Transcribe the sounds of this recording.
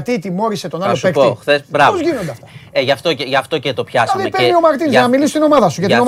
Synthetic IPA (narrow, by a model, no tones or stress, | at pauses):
t̪it̪imo̞ɾise̞t̪o̞nɐlospekoθesbɾɐpozʝinod̪eɐfoeʝɐft̪o̞eʝɐft̪o̞cet̪o̞pçɐzɐðipenio̞mɐɾt̪inzzɐnɐmilist̪ino̞mɐðɐsuʝɐt̪ino